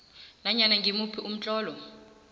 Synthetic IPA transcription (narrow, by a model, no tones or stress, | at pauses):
naɲanaŋɡimupʰiʔum̩t͡ɬʼɔːlɔ